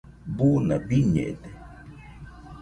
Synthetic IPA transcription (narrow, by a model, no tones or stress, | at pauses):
bunabiɲḛd̪e